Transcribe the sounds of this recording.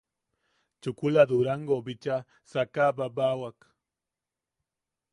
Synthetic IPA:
t͡ʃʊkʊlad̪ʊɾaŋɡobɪt͡ʃa | sakababawak

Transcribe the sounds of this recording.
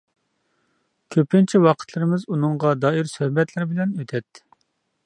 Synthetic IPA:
kʲʰøpʰɪnt͡ʃʰiwɑqʰə̥t̪ʰlˠɨɾɪmɪzunɨŋʁɑd̪ɑːiɾsøhbɛt̪ʰlɪɾɪbɪlɛnøt̪ʰɛt̪ː

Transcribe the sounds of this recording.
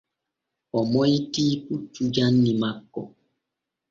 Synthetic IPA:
ɔmɔitiput͡ʃud͡ʒanːimakːɔ̰

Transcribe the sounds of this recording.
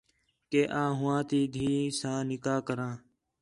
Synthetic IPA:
keːʔãːɦʊʋãːt̪iːd̪ʱiːsãːnɪkaːkəɾãː

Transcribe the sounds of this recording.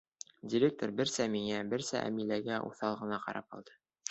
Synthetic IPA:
dʲɪɾʲek̚t̪oɾbɘɾsæmiŋæbɘɾsæʔæ̰milæɡæʔṵθɑlˠʁɤ̆nɑqɑ̰ɾʔɑ̰p̚ɑ̰lˠd̪ɤ̥

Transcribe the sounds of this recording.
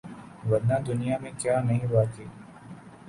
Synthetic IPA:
ʋəɾnãːd̪ʊnijamẽkjaːnɐɦĩbaːt̪iː

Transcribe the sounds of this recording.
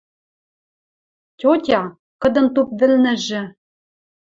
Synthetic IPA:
tʲotʲɑ | kɤ̆d̪ɤ̆nt̪up̚βɘ̆lnɘ̆ʒɘ̆

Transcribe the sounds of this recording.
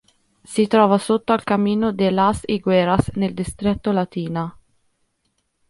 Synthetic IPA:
sit̪ɾɔːvasot̪ːoalkamːiːnod̪elasiɡwɛːɾasneld̪ist̪ɾɛt̪ːolat̪iːna

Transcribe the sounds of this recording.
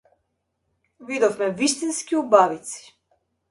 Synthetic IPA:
vid̪ɔfmɛvist̪inskiubavit̪si̥

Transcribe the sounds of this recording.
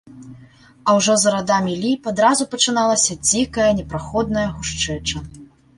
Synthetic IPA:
ɐwʐɔzɐɾad̪amʲilʲipad̪ɾazupɐt͡ʂɨn̪alˠɐsʲɐd͡zʲikɐjɐnʲɛpɾaxɔd̪̚nɐjɐɣuʂt͡ʂɛt͡ʂɐ

